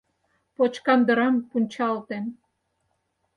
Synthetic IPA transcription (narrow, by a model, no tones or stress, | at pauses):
pot͡ɕkɑnd̪ə̆ɾɑmpunʲt͡ɕɑlt̪en